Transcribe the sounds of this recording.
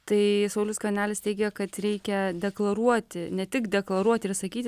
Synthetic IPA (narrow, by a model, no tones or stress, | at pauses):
t̪ɐɪsɐʊlʲʊskɐnʲæːlʲɪst̪ʲɛɪɡʲɛkɐt̪ɾʲɛɪkʲɛd̪ʲɛklˠɐɾuɔt̪ʲɪnʲɛt̪ʲɪkd̪ʲɛklˠɐɾuɔt̪ʲɪɾsɐkʲiːt̪ʲ